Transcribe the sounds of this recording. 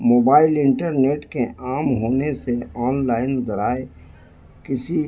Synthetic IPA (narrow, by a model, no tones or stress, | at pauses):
moːbaːɪlɪ̃ɳʈəɾneːʈkeʔaːmɦoːneseɔːnlaːɪnzɐɾaːe | kɪsi